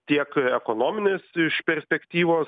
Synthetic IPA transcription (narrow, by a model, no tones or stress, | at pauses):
t̪ʲiɛkɛkoːnoːmʲɪnʲeːsɪʃpʲɛɾʲsʲpʲɛkt̪ʲiːʋoːs